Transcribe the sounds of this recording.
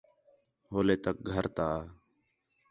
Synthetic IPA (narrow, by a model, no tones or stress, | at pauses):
ɦoːleːt̪ək̚ɡʱəɾt̪aː